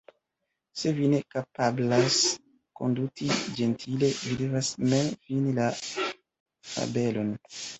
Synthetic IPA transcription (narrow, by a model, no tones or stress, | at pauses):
se̞vine̞kapablas | ko̞̰ndukid͡ʒe̞ntʰile̞vide̞vasmenfinila | ta̰be̞lo̞n